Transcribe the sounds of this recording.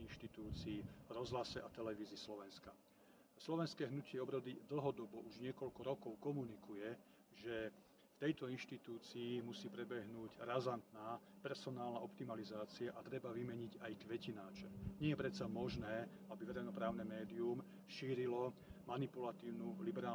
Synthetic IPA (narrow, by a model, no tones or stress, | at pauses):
inʃt̪it̪uːt͡siːvɾɔzɦlasɛʔat̪ɛlɛʋiːzɪːslɔʋɛnska | slɔʋɛnskɛːɦnucɪɛɔbɾɔd̪id̪l̩ˠɦɔd̪ɔbɔʔuʒɲɪɛkɔʎkɔɾɔkɔʊkɔmunikujɛ | ʒɛ | ft̪ɛjt̪ɔinʃt̪it̪uːt͡siːmusiːpɾɛbɛɦnuːɟɾazant̪naːpɛɾsɔnaːlnaʔɔpt̪imalizaːt͡siaʔat̪ɾɛbaʋimɛɲiɟajt̪ʋɛcinaːt͡ʃɛɲɪɛjɛpɾɛt̪samɔʒnɛː | abiʋɛɾɛjnɔpɾaːʊnɛmɛːd̪ium | ʃiːɾilɔmanipulat̪iːʊnulibɛɾaː